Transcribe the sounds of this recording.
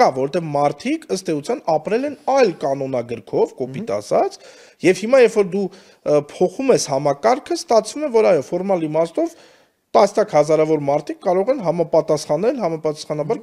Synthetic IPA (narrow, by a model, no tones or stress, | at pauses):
ɑvɔɾɔt̪ɛvmɑɾt̪ʰikʰəst̪ɛut͡sʰjɑnɑpɾɛlɛnɑjlkɑnɔnɑɡəɾkʰɔvkɔpit̪ɑ̰sɑt͡s | jɛvhimɑjɛfɔɾd̪u | pʰɔχumɛshɑmɑkɑɾkʰəst̪ɑt͡sʰvumɛvɔɾɑjɔfɔɾmɑlimɑst̪ɔv | t̪ɑsnjɑkʰhɑzɑɾɑvɔɾmɑɾt̪ʰikːɑɾɔʁɛnɦɑmɑpɑt̪ɑsχɑnɛlɦɑmɑpɑt̪ɑsχɑnɑbɑɾ